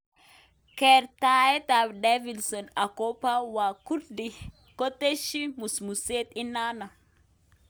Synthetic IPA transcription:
kɛɾtaɛ˦t̪a˨bdevilsɔ˨na˨kopa˦wa˨ku˦ɾdi | ko˦te˦ʃi˦musmuset̪ina˦na˨

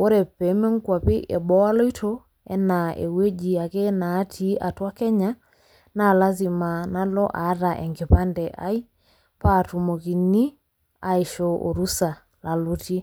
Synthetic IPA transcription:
o˦ɾɛ˨pɛ˨˦me˦ŋ˦kwa˨pe˦ʔɛ˨bɔ˦a˦lɔ˦i˦tʰo˦ | ɛ˦na˨ḛ˨we˦d͡ʒi˨a˨ke˦naː˨˦tʰi˦a˨twa˦kɛ˦ɲa˦ | na˦˨la˦zi˨ma˨na˦lɔ˦ʔa˨˦ɾa˨ʔɛ˨ŋɡe˨pa˦ndɛ˨ʔa̰˦i˦ | pa˦˨tu˨mo˨ki˨ni˦ | a˨e˨ʃo˨ʔo̰˨ɾu˦sa˨ | la˨lo˦ti˦

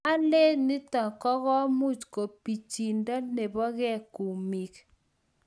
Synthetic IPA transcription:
a˦le˦ni˦tɔ˨kɔ˦ɣɔ˦mu˦t͡ʃko˨pi˨t͡ʃi˨nda˦ne˨bɔ˦ɣɛ˦˨ku˨mi˨k

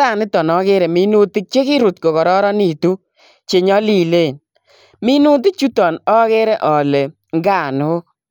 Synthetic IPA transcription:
a˦˨nɪ˦tɔ˨nɔ˦kɪ˦ɾɛ˨mi˦nu˦tɪ˦k̚t͡ʃe˦kɪ˦ɾu˨t̚ko˨kɔ˨ɾɔ˦ɾɔ˦ni˨tu˦ | t͡ʃe˨ɲɔ˦li˦˨le˦˨n | mi˦nu˦t̬i˦k̚t͡ʃu˦tɔ˨nɔ˦kɪ˦ɾe˦ʔɔ˨le˨ | ŋɡa˦˨nʊ˨˦

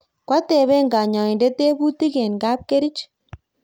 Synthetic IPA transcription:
kwa˦tɛ˨βɛ˦ŋɡa˨ɲa˨ɪ˨nde˦te˦bu˦ti˦kɛ˨nkaː˦p̚ke˦ɾi˦t͡ʃ

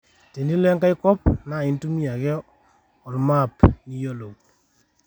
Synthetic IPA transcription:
te˨ndi˦lɛ˦ŋka˦jkɔ˦p̚na˨i˦ntu˦mi˦a˨kɛ˦ | ɔ˨rma˦˨pni˦jo˦lo˨

